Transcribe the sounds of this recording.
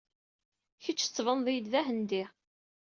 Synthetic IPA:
çit͡ʃːət͡sːvənðˤijd̪ðæɦənd̪i

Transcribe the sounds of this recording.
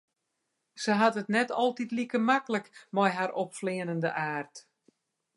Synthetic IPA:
səɦatətnɛtɔlˠtitlikəmakələkmɔjɦaɾʔɔpflɪənəndəʔaːrt

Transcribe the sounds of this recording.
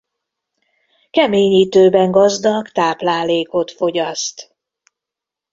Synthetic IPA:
kɛmeːɲiːt̪øːbɛŋɡɒzd̪ɒkt̪aːplaːleːko̞t̪fo̞ɟɒst̪

